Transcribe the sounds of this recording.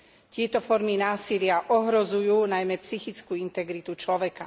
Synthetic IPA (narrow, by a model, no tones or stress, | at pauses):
t̪ɪɛt̪ɔfɔɾminaːsilɪaʔɔɦɾɔzujuːnajmɛpsixit͡skuːint̪ɛɡɾit̪ut͡ʃlɔʋɛka